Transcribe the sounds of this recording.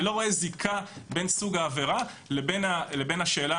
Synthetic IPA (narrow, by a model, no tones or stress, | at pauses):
lo̞ʁo̞ezikʰabe̞nsuɡaːveʁa | lebenale̞benhaʃe̞ːla